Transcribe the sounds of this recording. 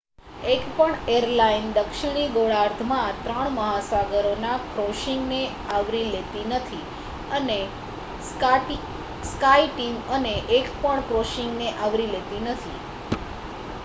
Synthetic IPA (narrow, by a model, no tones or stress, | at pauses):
ekpəɳeɾlaind̪əkʃɪɽ̃iɡoɭaɾt̪ʰmãt̪ɾəɳ̃məɦasaɡəɾonakɾoʃiŋɡne | aʋɾilet̪inət̪ʰi | əne | skaiʈiməneʔekpəɳkɾoʃɪŋɡneʔaʋɾilet̪inət̪ʰi